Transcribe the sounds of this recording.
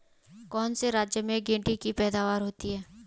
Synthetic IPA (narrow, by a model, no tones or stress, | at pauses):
kɔːnseɾaːd͡ʒjəmẽɡẽːɳʈikipɛːd̪aːʋaːɾɦoːt̪iɦɛː